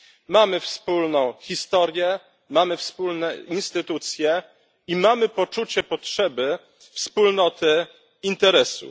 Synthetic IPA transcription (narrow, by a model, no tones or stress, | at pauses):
mamɘfspulnɔ̃w̃xʲist̪ɔɾjɛ | mamɘfspulnɛinst̪ɘt̪ut̪sʲjɛ | imamɘpɔt͡ʂut͡ɕɛpɔtʂɛbɘ | fspulnɔt̪ɘ | int̪ɛɾɛsṵ